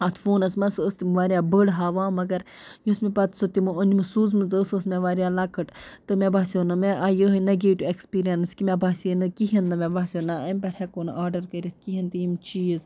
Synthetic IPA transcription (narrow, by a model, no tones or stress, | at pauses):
at̪ʰfoːnɐsmɐsəst̪imʋaːɾiaːbəɽɦaːʋãːmɐɡɐɾjusmipɐt̪sot̪imɨonʲimɨsuːzmɨzəsəsmeʋaːɾijaːlakɨʈt̪ɨmʲebaːsʲoːnɨmeʔajəɦɨnɐɡeːʈʲuekspiːɾijɐnskʲimʲebaːsʲenɨkiɦɐnd̪ɐmʲebaːsʲonaɐmʲpʲɛʈʰɛkoːnʔaːɾɖɐɾkɐɾʲit̪̚ʰkiɦint̪ijimt͡ʃiːz